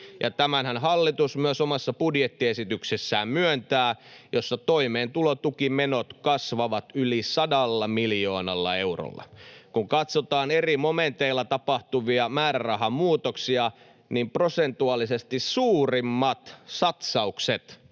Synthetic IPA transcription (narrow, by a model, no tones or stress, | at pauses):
jʔɑt̪æmænhænhɑlːit̪usmyøsomɑsːɑpudjet̪ːiesit̪yksesːæːmmyønt̪æːjosːɑt̪oimeːnt̪ulot̪ukimenot̪kɑsʋɑʋɑt̪ylisɑdɑlːɑmiljoːnɑlːɑ̰euro̰lːɑ̰kuŋkɑt̪sot̪ɑːnerimoment̪eilːɑt̪ɑpɑht̪uʋiɑmæːrærɑɦɑmuːt̪oksiɑ | nimprosent̪uɑlisest̪issuːrimːɑt̪sɑt̪sɑukset̪